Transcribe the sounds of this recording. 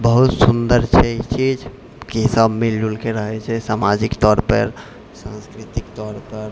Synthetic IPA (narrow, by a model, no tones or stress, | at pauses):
bəɦut̪sund̪əɾt͡ʃʰɛit͡ʃid͡ʒ | kisəbmild͡ʒulkeɾəɦɛt͡ʃʰɛsamad͡ʒikt̪ɔɾpə̰ɾ | sãnskɾit̪ikt̪ɔɾpəɾ